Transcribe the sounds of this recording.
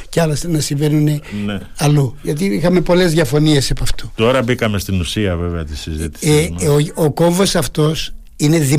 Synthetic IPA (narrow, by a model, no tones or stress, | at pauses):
ceɐlɐst̪enɐsiɱve̞nune̞ne | ɐluʝɐt̪̬iixɐme̞po̞le̞zðʝɐfo̞nie̞sepɐft̪ut̪o̞ɾɐbikɐme̞st̪inusiɐve̞veɐt̪isizit̪i̥sooko̞vo̞sɐft̪o̞s | ine̞ði